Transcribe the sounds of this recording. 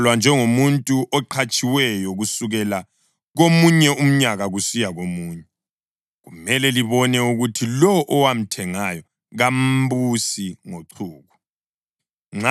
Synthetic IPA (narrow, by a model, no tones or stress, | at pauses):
lwand͡ʒʱɛŋomuntʼuʔɔǃʰat͡ʃʼiwɛjɔɣusuɣɛla | ɣomuɲɛum̩ɲaɣaɣusijaɣomuːɲɛ | ɣumɛlɛliβɔnɛuɣutʰilɔʔɔwam̩tʰɛŋajɔ | ɣam̩busiŋoǀʰuːɣu | ŋ͡ǁ